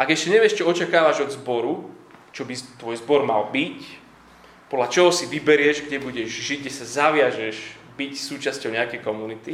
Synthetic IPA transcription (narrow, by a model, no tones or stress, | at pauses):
aɡɛʃɛɲɛʋɪɛʃt͡ʃɔɔt͡ʃakaːʋaʒɔd̪zbɔɾu | t͡ʃɔbit̪ʋɔjzbɔɾma̰lbic | pɔd̪lat͡ʃɔɦɔsiʋibɛɾɪɛʒɡɟɛbuɟɛʒʒiɟ̚ɡɟɛsazaʋɪaʒɛʒ | bicsuːt͡ʃascɔʊɲɛakɛjkɔmunit̪i